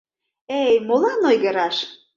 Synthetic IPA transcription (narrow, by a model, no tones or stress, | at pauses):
ejmolɑnojɣə̆ɾɑʃ